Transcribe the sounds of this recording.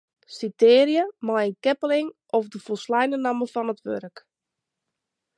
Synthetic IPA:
siteːɾjəmajənkɛpəlɪŋ | ɔfdəfolˠslɛjnənaməfɔnətʋørək

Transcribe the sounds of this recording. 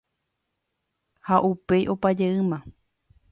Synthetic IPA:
haʔupe̞jʔo̞pad͡ʒeɨmã

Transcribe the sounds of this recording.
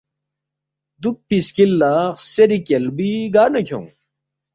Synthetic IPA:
d̪uk̚piskilːaːχseɾikelbiɡaːnɐkʰjõ̰

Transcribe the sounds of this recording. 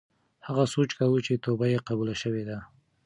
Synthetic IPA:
haɣasot͡ʃkawut͡ʃet̪obajeqabulaʃəwed̪a

